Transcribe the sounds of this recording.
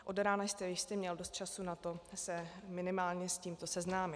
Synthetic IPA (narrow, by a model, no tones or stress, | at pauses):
ʔodɾaːnajst̪ɛvjɪʃst̪ɛmɲɛldost̪̚t͡ʃasunat̪o̞sɛmɪnɪmaːlɲɛsciːmt̪o̞sɛznaːmɪ